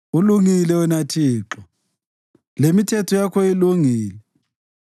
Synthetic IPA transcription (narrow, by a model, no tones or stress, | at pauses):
uluŋilɛunatʰiːǁɔ | lemitʰɛtʰɔjakʰɔiluŋiːlɛ